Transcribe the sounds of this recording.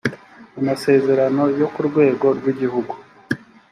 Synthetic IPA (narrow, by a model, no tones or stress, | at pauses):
amase̞ːze̞ɾano̞jo̞kuɾɡwe̞ːɡo̞ɾɡwiɟiɦuɡu